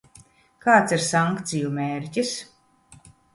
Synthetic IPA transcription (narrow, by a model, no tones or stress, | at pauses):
kaːt̪siɾsaŋkt̪sijumeːɾcʲis